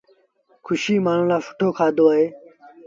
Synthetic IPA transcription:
kʰuɕiːmaːnulaːfu̥ʈʰoːkʰaːd̪oaːe

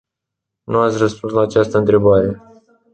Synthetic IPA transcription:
nuat̪sʲrəspunslaːt͡ʃast̪əɨnt̪ɾe̞baɾe̞

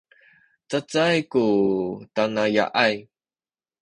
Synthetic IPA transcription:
t͡sət͡sajkutanaja̰ʔaj

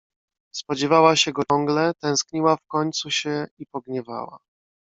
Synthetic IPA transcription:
spɔd͡ʑɛvawaɕɛɡɔɔŋɡlɛt̪ɛ̃w̃skɲiwafkɔɲt̪suɕɛipɔɡɲɛva̰wa̰

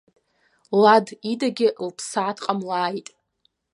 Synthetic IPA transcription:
ladidaɡʲɪlpʰsaːtʰqʼamlaːjtʼ

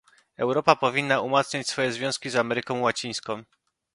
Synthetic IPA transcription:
ɛwɾɔpapɔvʲinːaumat̪sɲat͡ɕsfɔjɛzvʲjɔ̃w̃skʲizamɛɾɘkɔ̃w̃wat͡ɕij̃skɔ̃w̃

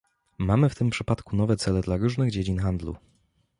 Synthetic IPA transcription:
mamɘft̪ɘmpʂɘpat̪kunɔvɛt̪sɛlɛd̪laɾuʐnɘɣd͡ʑed͡ʑinxand̪lṵ

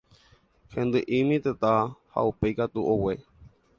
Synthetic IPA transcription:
hẽ̞nd̪ɨʔĩmĩt̪et̪aha̰upejkat̪uʔowe

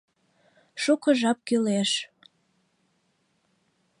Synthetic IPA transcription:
ʃukəʒɑp̚kyleʃ

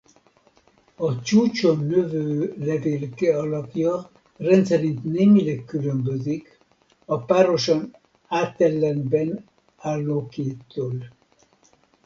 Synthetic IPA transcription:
ɒt͡ʃuːt͡ʃonøvøːlɛveːlkɛɒlɒpjɒ | rɛnt̪sɛɾint̪neːmilɛkːylømbøzik | ɒpaːɾo̞ʃon | aːt̪ɛlːɛmbɛn | aːlːoːkeːt̪ːøːl

